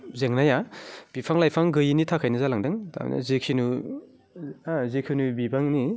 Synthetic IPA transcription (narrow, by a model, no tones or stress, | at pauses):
zeŋnajab̥ipʰaŋlajpʰaŋɡɯjinitʰakʰajnɯzalaŋdɯŋtʰa̰m̰na̰zekʰinu | azekʰinubibaŋni